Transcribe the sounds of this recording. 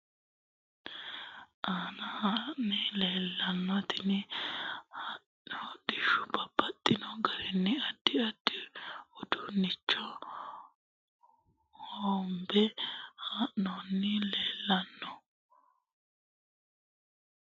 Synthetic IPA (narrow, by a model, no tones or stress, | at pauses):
ʔaːnɐhanːɪleːlːɐnːɔt̪ɪnɪ | ha | ɔd̪ɪʃʊbɐb̥ɐt̪ʼːɪnɔɡɐɾɛnːɪɐd̪̥ːɪɐd̪̥ːɪɔd̪ʊnːɪt͡ʃːɔ | hombɛhaːʔːɔnːɪleːlːɐnːɔ